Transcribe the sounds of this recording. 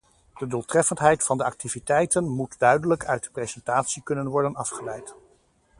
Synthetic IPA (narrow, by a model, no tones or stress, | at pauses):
d̥ədulˠtrɛfəntɦɛjtfɑndəɑk̚tivitɛjtənmutdœɥdələkœɥt̚də̥prejzɛntaːtsikɵnənʋɔɹdənɑfχəlɛjt